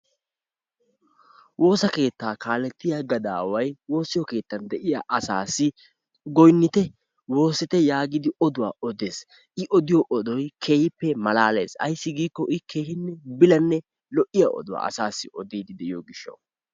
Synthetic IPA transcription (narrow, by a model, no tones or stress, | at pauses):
wʔo̞ːsɐke̞ːt̪ːaːkaːlɛt̪ːɪjaɡɐd̪aːwɐjwo̞ːsɪjɔke̞ːt̪ːɐnd̪ɛʔɪja̰ʔɐsa̰ːsɪ | ɡɔjnːɪt̪ɛ | wo̞ːsɪt̪ɛjaːɡid̪ɪɔd̪ʊwa̰ːɔd̪eːs | ʔɪʔɔd̪ɪjɔʔɔd̪ɔjkʰe̞ːjɪpːɛmɐlaːle̞̰ːsɐ̰jsːɪɡiːkːɔʔɪke̞ːhɪnːɛbɪlɐnːɛ | lɔʔɪja̰ʔɔ̰d̪ʊwa̰ːʔɐ̰saːsːɪʔɔd̪iːd̪ɪd̪ɛʔɪjoːɡɪʃːɐ̰w